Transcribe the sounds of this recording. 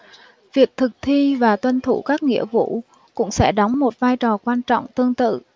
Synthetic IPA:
vi˨˩ək̚t̪ʰɨ˨˩k̚t̪ʰi˧vaː˨˩t̪wə˧nt̪ʰṵ˧˩kaː˦˥k̚ŋḭ˧˥əvṵ˧˥ | kʊ̰˧˥ŋ͡msɛ̰˧˥ɗɔ˨˦wŋ͡mmo˨˩t̚vaː˧jt͡ɕɔ˨˩kwaː˧nt͡ɕɔ̰˧˨wŋ͡mt̪ɨ˧əŋt̪ɨ̰˧˨

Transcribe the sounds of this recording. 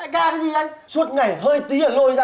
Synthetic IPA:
a̰ː˧˨ɣaː˧˩ka˨˦zi˨˩ʔa˧jsu˦˥ət̚ŋa˨˩jɦəː˧jt̪i˨˦ʔəː˧˩ɦo˧jza˧

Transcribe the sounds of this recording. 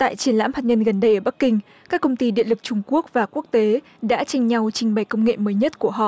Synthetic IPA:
t̪a̰ː˧˨jt͡ɕi˨˦ənla̰ː˧˥mhaː˨˩t̚ɲə˧nɣə˨˩nɗə˧jʔəː˧˩ɓa˦˥k̚kï˧ŋ̟ | kaː˦˥kːə˧wŋ͡mt̪i˧ɗḭ˧əlɨ˨˩k̚t͡ɕʊ˧ŋ͡mku˦˥ək̚vaː˨˩ku˦˥ək̚t̪e˨˦ | ɗa̰ː˧˥t͡ɕa˧jŋ̟ɲa˧wt͡ɕï˧ŋɓa˨˩jkə˧wŋ͡mŋḛ˧˨məː˨˦jɲə˦˥t̚ku˧˩əɦɔ̰˧˨ʔ

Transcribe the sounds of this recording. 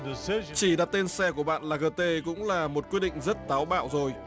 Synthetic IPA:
dsit͡ɕi˧˩ɗaː˨˩t̪e˧nsɛ˧k̬u˧˩əɓa̰ː˧˨nlaː˨˩ɣəː˧t̪e˧kʊ̰˧˥ŋ͡mlaː˨˩mo˨˩t̚kwi˦˥ɗḭ˧˨ŋ̟zə˦˥t̚t̪aː˨˦wɓa̰ː˧˨wzo˨˩j

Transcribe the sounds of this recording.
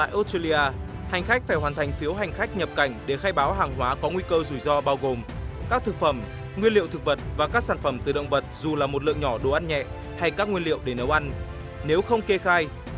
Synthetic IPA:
t̪a̰ː˧˨jʔo˧˦˥ste˧li˧aː˧ | ha˨˩jŋ̟xa˦˥k̟̚faː˧˩jɦwaː˨˩nt̪ʰa˨˩jŋ̟fi˨˦wɦa˨˩jŋ̟xa˦˥k̚ɲə˨˩p̚ka˧˩jŋ̟ɗe˧˩xaː˧jɓaː˨˦wɦaː˨˩ŋɦwaː˨˦kɔ˨˦ŋwi˧kəː˧zu˧˩jzɔ˧ɓaː˧wɣo˨˩mkaː˦˥k̚t̪ʰɨ˨˩k̚fə˧˩m | ŋwi˧ənlḭ˧ə˨wt̪ɨ˨˩k̚və˨˩t̚vaː˨˩kaː˦˥k̚saː˧˩nfə˧˩mt̪ɨ˨˩ɗə̰˧˨wŋ͡mvə˨˩t̚zu˨˩laː˨˩mo˨˩t̚lɨ̰˧˨əŋɲɔ˧˩ɗo˨˩ʔa˧nɲɛ̰˧˨ | ha˧jkaː˦˥k̚ŋwi˧ənlḭ˧˨əwɗe˧˩nə˨˦wʔa˧n | ne˨˦wxə˧wŋ͡mke˧xaː˧j

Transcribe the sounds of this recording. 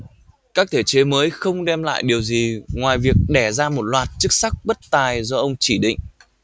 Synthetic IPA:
kaː˦˥k̚t̪ʰe˧˩t͡ɕe˨˦məː˨˦jxə˧wŋ͡mɗɛ˧mla̰ː˧˨jɗi˨˩əwzi˨˩ŋwaː˨˩jvi˨˩ək̚ɗɛ˧˩zaː˧mo˨˩t̚lwaː˨˩t̚t͡ɕɨ˦˥k̚sa˦˥k̚ɓə˦˥t̚t̪aː˨˩jzɔ˧ʔə˧wŋ͡mt͡ɕi˧˩ɗḭ˧˨ŋ̟

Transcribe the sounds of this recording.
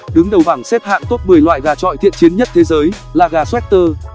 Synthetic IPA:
ɗɨ˨˦ŋɗə˨˩wɓa˧˩ŋsɛ˦˥p̚ha̰ː˧˨nt̪o˦˥t̚mɨ˨˩əjlwa̰ː˧˨jɣaː˨˩t͡ɕɔ̰˧˨jt̪ʰḭ˧˨ənt͡ɕi˨˦nɲə˦˥t̚t̪ʰe˨˦zəː˨˦j | laː˨˩ɣaː˨˩swɛ˦˥k̚t̪əː˧

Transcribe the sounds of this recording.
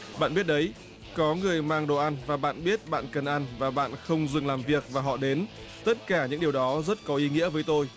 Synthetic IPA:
ɓa̰ː˧˨nɓi˦˥ət̚ɗə˨˦j | kɔ˨˦ŋɨ˨˩əjmaː˧ŋɗo̰˧˨˩ʔa˧nvaː˨˩ɓa̰ː˧˨nɓi˦˥ət̚ɓa̰ː˧˨nkə˨˩nʔa˧nvaː˨˩ɓa̰ː˧˨nxə˧wŋ͡mzɨ˨˩ŋlaː˨˩mvi˨˩ək̚vaː˨˩ɦɔ̰˧˨ɗe˨˦n | t̪ə˦˥t̚kaː˧˩ɲɨ̰˧˥ŋɗi˨˩əwɗɔ˨˦zə˦˥t̚kɔ˨˦ʔi˨˦ŋḭ˧˥əvəː˨˦jt̪o˧j

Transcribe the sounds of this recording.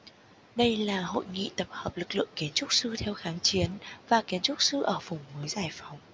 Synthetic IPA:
ɗə˧jlaː˨˩ho̰˧˨jŋḭ˧˨t̪ə˨˩p̚həː˨˩p̚lɨ˨˩k̚lɨ̰˧˨əŋki˨˦ənt͡ɕʊ˦˥k͡p̚sɨ˧t̪ʰɛ˧wxaː˨˦ŋt͡ɕi˨˦ənvaː˨˩ki˨˦ənt͡ɕʊ˦˥k͡p̚sɨ˧ʔəː˧˩vʊ˨˩ŋ͡mməː˨˦jzaː˨˩jfa˨˦wŋ͡m

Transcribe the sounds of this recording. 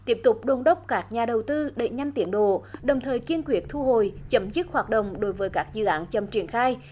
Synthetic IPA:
t̪i˦˥əp̚t̪ʊ˨˩k͡p̚ɗo˨˩nɗə˦˥wk͡p̚kaː˦˥k̚ɲaː˨˩ɗə˨˩wt̪ɨ˧ɗḛ˧˩ɲa˧jŋ̟t̪i˨˦ənɗo̰˧˨ɗə˨˩wŋ͡mt̪ʰəː˨˩jki˧ənkwi˨˦˩ət̚t̪ʰu˧ɦo˨jt͡ɕə˨˦mzɨ˦˥t̚hwaː˨˩t̚ɗə̰˧˨wŋ͡mɗo˨˦jvəː˨˦jkaː˦˥k̚zɨ̰˧˨ʔaː˨˦nt͡ɕə˨˩mt͡ɕi˧˩ənxaː˧j

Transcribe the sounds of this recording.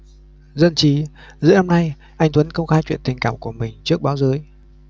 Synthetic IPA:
zə˧nt͡ɕi˨˦ | zɨ̰˧˥naː˧mna˧j | ʔa˧jŋ̟t̪wə˨˦nkə˧wŋ͡mxaː˧jt͡ɕwḭ˧˨ənt̪ï˨˩ŋ̟kaː˧˩mku˧˩əmï˨˩ŋ̟t͡ɕɨ˦˥ək̚ɓaː˨˦wzɨ˨˦j

